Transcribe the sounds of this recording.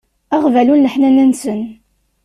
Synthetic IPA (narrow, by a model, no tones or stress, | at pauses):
æʁvælunːəħnænænsən